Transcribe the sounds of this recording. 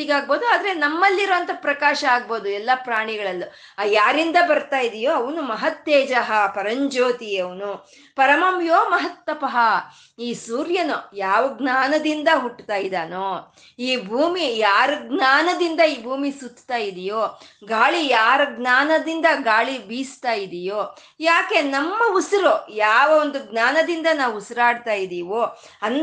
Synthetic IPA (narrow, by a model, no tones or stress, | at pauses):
iɡaːɡ̚bo̞ːd̪uaːd̪ɐɾenɐmːɐlːiɾɔʋɐnt̪ɐpɾɐkaːʃɐaːɡ̚bo̞ːd̪uɛlːɐpɾaːɳiɡɐɭɐlːu | ajaːɾind̪ɐbɐɾt̪aːjid̪ijoːɐʋɐnumɐɦɐt̪ːeːd͡ʒɐɦɐpɐɾɐɲd͡ʒoːt̪ijɐʋɐnu | pɐɾɐmɐmjoːmɐɦɐt̪ːɐpɐɦɐ | iːsuːɾjɐnojaːʋɐɡnaːnɐd̪ind̪ɐɦuʈːt̪aːjid̪aːnoː | iːbʱuːmijaːɾɐɡnaːnɐd̪ind̪ɐiːbʱuːmisut̪ːt̪aːjid̪ijoːɡaːɭijaːɾɐɡnaːnɐd̪ind̪ɐɡaːɭibiːst̪aːjid̪ijoː | jaːke̞nɐmːɐusɾojaːʋɐond̪uɡnaːnɐd̪ind̪ɐnaːʋusɾaːɽt̪aːjid̪iːʋoː | ɐn